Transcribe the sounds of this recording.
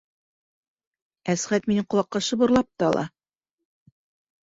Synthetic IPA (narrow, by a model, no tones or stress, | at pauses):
æsʁæt̪minɘɴqŏlˠɑqːɑʃɤ̆bŏɾlˠɑp̚t̪ɑɑlˠɑ̰